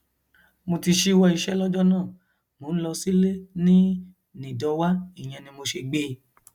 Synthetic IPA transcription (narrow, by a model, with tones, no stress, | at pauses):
mo˧ti˧ʃi˦wɔ˧i˧ʃɛ˦lɔ˦d͡ʒɔ˦nãː˦˨ | mo˨˦ñ̩˦lɔ˧si˦le˦nĩ˦ | nĩ˨dɔ˧wa˦i˦˨j̃ɛ̃˧nĩ˧mo˧ʃe˧ɡ͡be˦